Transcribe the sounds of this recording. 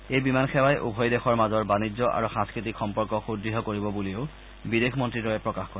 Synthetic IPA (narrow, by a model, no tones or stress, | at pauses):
ejbimanxɛwajʔṵbʱɔjdexɔɹmazɔɹbanid͡ʑɔʔa̰ɹuxãnskɹitikxɔmpɔɹkɔxudɹiɦɔkoɹibɔbulioʊ | bidexʰmɔntɹiɹɔjɛpɹɔkaxkɔɹɛ